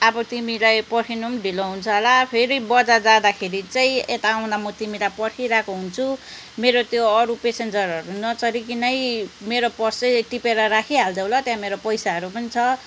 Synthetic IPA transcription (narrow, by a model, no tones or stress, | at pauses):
ʌbʌt̪imilajpʌkʰinumɖʱiloɦunt͡sʰʌɦlapʰeɾibʌd͡zad͡zad̪akʰeɾit͡saĩet̪aːw̃nd̪amʌt̪imilajpʌɾkʰiɾakoɦunt͡sʰu | meɾot̪joʌɾupesend͡zʌɾʌɾunʌt͡sʌɾikinʌjmeɾopʌsʌʈipeɾʌɾakʰiɦald̪ʌwlʌt̪jãmeɾopʌjsaɦʌɾupʌnit͡sʰʌ